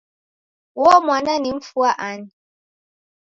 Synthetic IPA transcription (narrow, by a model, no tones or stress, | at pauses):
wɔmwananɪm̩fuaʔani